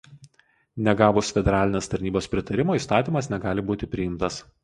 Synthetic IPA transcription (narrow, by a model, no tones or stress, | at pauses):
nʲɛɡɑːbʊsfʲɛd̪ʲɛɾɑːlʲɪnʲeːst̪ɐɾʲnʲiːboːspʲɾʲɪt̪ɐɾʲɪmoːiːˑst̪ɑːt̪ʲiːmɐsnʲɛɡɑːlʲɪbuːt̪ʲɪpʲɾʲɪjɪmt̪ɐs